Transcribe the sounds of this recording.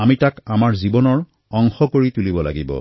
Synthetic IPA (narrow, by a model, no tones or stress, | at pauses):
amitakamaɹzibɔnɔɹ | ɔŋxɔkoɹitulibɔla̰ɡibɔ̰